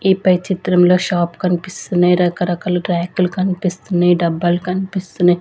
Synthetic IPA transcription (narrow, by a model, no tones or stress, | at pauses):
iːpɐjt͡ʃit̪ɾɐmloːʃaːpkɐnpist̪unɐjɾɐkɐɾɐkɐlʈɾɛːkilkɐnpist̪unɐɖɐbːɐlkɐnpist̪unɐ